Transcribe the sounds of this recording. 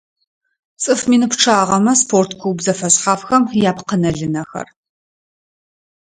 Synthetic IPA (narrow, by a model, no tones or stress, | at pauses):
t͡sʼɨfmiːnɨpʈ͡ʂʰaːʁɐmɐspʰoːrtʰkʷʰuwbzɐfɐsħaːfxɐmjaːpqənɐɮɨnɐxɐ̰r